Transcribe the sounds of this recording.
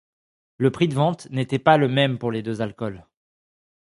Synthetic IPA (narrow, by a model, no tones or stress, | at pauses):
ləpχid̪əvɑ̃t̪net̪ɛpaləmɛmpuʁled̪øzalkɔl